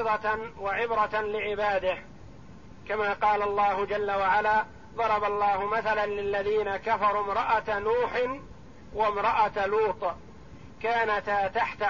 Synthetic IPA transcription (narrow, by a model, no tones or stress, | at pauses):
ðˤɑwaʕɪbɾɑlɪʕɪbaːd̪ɪh | kamaːqɑːlalˤːɑːhʊd͡ʒalːawaʕalaː | ðˤɑɾˤɑbɑlˤːɑːhʊmaθalanlɪlːaðiːnakafɑɾˤuːmɾɑʔanuːħɪ | wamɾɑʔaluːt̪ˤ | kaːnat̪t̪aħt̪a